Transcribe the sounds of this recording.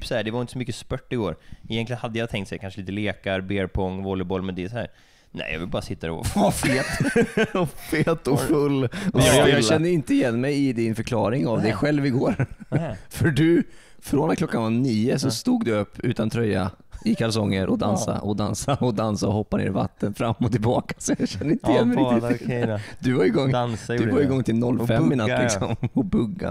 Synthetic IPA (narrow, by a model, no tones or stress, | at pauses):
sɔhæːɖɛvaɾɪnt̪əsɔmʏkːəspœʈːɪɡoːɾɪjɛntlɪənhad̪ːəjat̪ʰɛŋkt̪sɛjakanʂəliːt̪əleːkaɾbeːɾpʰɔŋːvɔlːəbɔlːmɛnd̪ɛːsɔhæ̰ːɾ | næ̰ɪjɑ̰vɪlbɑːɾasɪt̪ːadɛ̰afeːt̪ɔfeːt̪ɔfɵlːɔjɑːɕɛnːəɾɪnt̪əɪjɛnːmɛjɪd̪ɪnfœɾkʰlɑːɾɪŋavd̪ɛɧɛlːvɪɡoːɾ | fœɖɵ | fɾonkʰlɔkːanvaniːəsɔst̪uːɡd̪ɵɵpːʉ̟ːt̪ant̪ʰɾœjːa̰ | ɪkʰals̬ɔŋːəɾʔɔd̪ansa̰ʔɔd̪ansaɔd̪ansaɔhɔpːanḛːɾva̰t̪ːənfɾamːɔt̪ɪlbɑːkḁsɔjɑɡɕɛnːəɾɪnt̪əɪjɛnːmɛ | d̪̥ɵvaɾɪɡɔŋːd̪ɵvajɪɡɔŋːt̪ʰɪlnɔlːfɛmːɪnat̪ːlɪksɔmɔbɵɡːa̰